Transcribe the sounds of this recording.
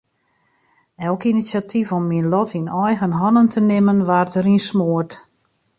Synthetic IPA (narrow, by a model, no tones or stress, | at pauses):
ɛlˠkinisjatʰifɔmːinlɔtʰinɔjɣənɦɔnəntʰənɪmənʋaːrtəɾinsmoərt